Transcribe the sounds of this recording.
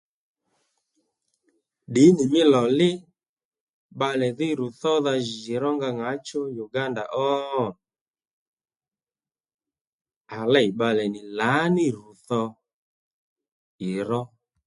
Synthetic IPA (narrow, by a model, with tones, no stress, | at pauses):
ɗɪ˨˦nɪ˨mɪ˦lɔ˨lɪ˦ | ɓa˧lɛ˨ðɪ˦ɾu˨θɔ˦ða˧ʒɪ˨ɾɔ˦ŋɡa˧ŋa˨˦t͡ʃo˦ju˨ɡa˦nda̰˨ʔɔ˦ | a˨lɛ˦˨i˨ɓa˧lɛ˨nɪ˨la˨˦nɪ˦ɾu˨θɔ˧ | ɪ˨ɾɔ˦